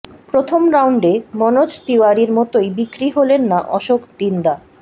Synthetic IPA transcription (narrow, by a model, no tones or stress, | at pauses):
pɾot̪ʰomɾawɳɖemɔnod͡ʑt̪iwaɾiɾmɔt̪ojbikɾiɦolenːaʔɔʃokt̪ind̪a